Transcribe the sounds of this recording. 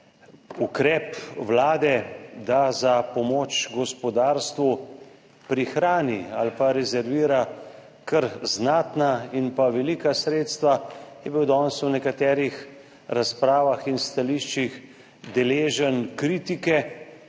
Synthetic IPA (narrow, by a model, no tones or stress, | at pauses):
ukɾɛːpʋlaːd̪ɛd̪azapɔmoːt͡ʃɡɔspɔd̪aːɾst̪ʋu | pɾixɾaːnia̰lpaɾɛzɛɾʋiːɾa | kəɾznaːt̪nainpaʋɛliːkasɾeːt̪st̪ʋajɛbiwd̪ɔːnswnɛkat̪ɛːɾix | ɾaspɾaːʋaxinst̪aliʃt͡ʃix | d̪ɛleːʒənkɾiːt̪ikɛ